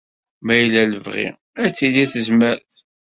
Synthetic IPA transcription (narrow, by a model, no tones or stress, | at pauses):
mæjlæləvʁḭ | æt͡sːiliθəzməɾθ